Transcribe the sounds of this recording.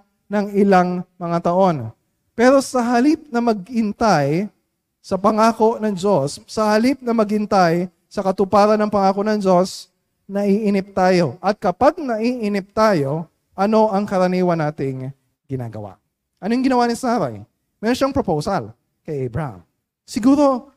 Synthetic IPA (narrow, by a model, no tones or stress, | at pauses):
nɐŋɪlaŋmɐŋat̪ɐʔo̞n | pɛːɾo̞sɐɦɐlip̚nɐmɐɡ̚hɪnt̪aj | sɐpɐŋaːko̞ʔnɐŋd͡ʒo̞sːɐhɐlip̚nɐmɐɡ̚hɪnt̪aj | sɐkɐt̪ʊpaːɾɐnɐŋpɐŋaːko̞ʔnɐŋd͡ʒo̞s | nɐʔiʔɪnɪp̚t̪aːjo̞ʔɐt̪̚kɐpaɡ̚nɐʔiʔɪnɪp̚t̪aːjo̞ | ʔɐno̞ʔɐŋkɐɾɐniːwɐnaːt̪ɪŋ | ɡɪna̰ːɡɐ̰wa̰ | ʔɐnojʊŋɡɪnɐwaːnɪsaːɾɐ̰j | mɛːɾonʃaŋpɾopowsɐl | kɐjʔɛjbɹɐa̰m | sɪɡuːɾo̞